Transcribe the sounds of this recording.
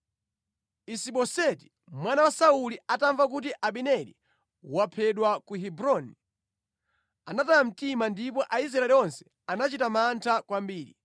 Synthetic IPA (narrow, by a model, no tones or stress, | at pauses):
isiɓɔsɛti̥ | mwanawasauliataɱvak̬utiʔaɓinɛlḭ | wapʰɛɗwakuɦibɾɔni | anataam̩timandip̬ɔʔaiz̬ɾaɛliɔnsɛ̥ | anat͡ʃitamantʰakwambiːɾḭ